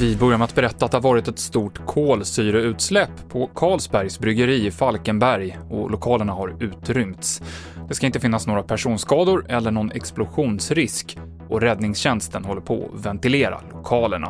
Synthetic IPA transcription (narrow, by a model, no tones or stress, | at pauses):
vɪbœɾjamɛat̪̚bɛɾɛt̪ːat̪d̪ɛhaɾvɑːɾɪt̪ɛt̪st̪uːʈkʰoːlsyːɾʊʉ̟ːt̪slɛpːʰɔkʰɑːlsbæɾjsbɾʏɡəɾiːɪfalkənbæɾjɔ̰lʔʊkʰɑːləɳahaɾʉ̟ːt̪ɾʏmt̪s | d̪ɛskaɪnt̪əfɪnːasnoːɡɾapʰæʂuːnskɑːd̪ʊɾɛlːəɳɔnʔɛ̰ksplʊɧuːnsɾɪsk | ʔɔɾɛd̪nɪŋsɕɛnst̪ənɦɔlːəɾpʰɔ̰ɔ̰vɛnt̪ɪleːɾa̰lʊkʰɑːləɳa̰